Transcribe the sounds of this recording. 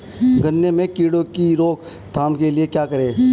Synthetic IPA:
ɡʱənːemẽkiːɽokiɾoːk | t̪ʰaːmkeliekjaːkəɾẽː

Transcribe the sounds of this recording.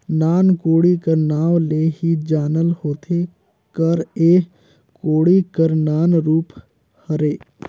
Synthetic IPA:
naːnkoːɽikəɾnaːʋleːɦid͡ʒaːnəlhoːt̪ʰe | kəɾeː | koːɽikəɾnaːnɾuːp | həɾeː

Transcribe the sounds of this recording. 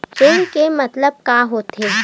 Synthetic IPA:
t͡ʃeːnkemɐt̪ləb̚kaːɦoːt̪eː

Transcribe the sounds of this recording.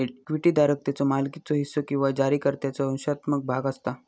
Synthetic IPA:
ekʋiʈiːd̪aɾək̚t̪jat͡sɔmalkit͡sɔɦisːokĩw̃ʋad͡ʑaɾiːkəɾt̪jat͡sɔə̃w̃ɕat̪mək̚bʱaɡəst̪a

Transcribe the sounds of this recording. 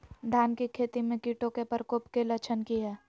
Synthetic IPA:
d̪ʱaːnkikʰeːt̪imẽkiːʈõkepəɾkoːpkelɐt͡ʃʰənkiɦɛː

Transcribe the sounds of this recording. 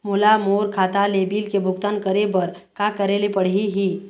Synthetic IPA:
mʊlamoːɾkʰaːt̪alebiːlkebʱʊɡt̪ankəɾebəɾ | kakəɾelepəɽ̤iɦiː

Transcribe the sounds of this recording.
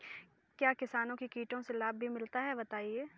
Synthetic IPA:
kjaːkɪsaːnõkikiːʈõselaːbːʱimɪlt̪aɦɛbɐt̪aːieː

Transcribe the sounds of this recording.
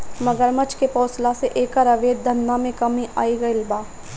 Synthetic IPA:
mɐɡəɾmət͡ʃkepɔːslaseʔeːkaɾɐʋeːd̪̚d̪ʱɐnːamẽkɐmĩʔa̰ːiɡɐɪlbaː

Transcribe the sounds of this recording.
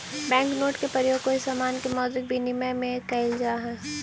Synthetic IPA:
bɛ̃ːŋknoːʈkepɾəɾjoːɡ̚koɪsːaːmaːnkemɔːd̪ɾɪk̚bʱinɪməjmẽkɐɪld͡ʒaːɦɛ̃ː

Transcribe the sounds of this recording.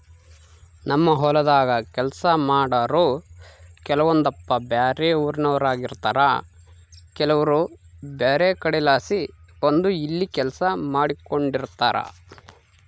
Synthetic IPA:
nɐmːɐɦɔlɐd̪aːɡɐkɛlsɐmaːɽɐɾoː | kɛlɐʋond̪ɐpːɐbjaːɾeuːɾinɐʋɐɾaːɡiɾt̪aːɾa | kɛlɐʋɐɾubeːɾekɐɽilaːsiond̪uilːikɛlɐsɐmaːɽiko̞ɳɖiɾt̪aːɾɐ̰

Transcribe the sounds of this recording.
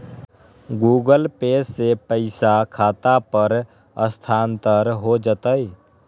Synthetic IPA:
ɡuːɡəlpeːsːepəɪsakʰaːt̪apəɾ | əst̪ʰaːnt̪əɾɦod͡ʒət̪əi

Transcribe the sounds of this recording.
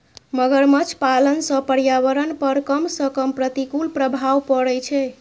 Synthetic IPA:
məɡəɾmət͡ʃʰpalənsə̃pəɾjaʋəɾənpəɾkəmsə̃kəmpɾət̪ikulpɾəbʱawpəɽɛt͡ʃʰɛ

